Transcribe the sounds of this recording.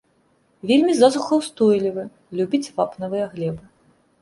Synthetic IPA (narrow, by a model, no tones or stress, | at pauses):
vʲelʲmʲizazuxɐwst̪ɔjlʲivɨ | lʲubʲit͡sʲvapnɐvɨjɐɣlʲɛbɨ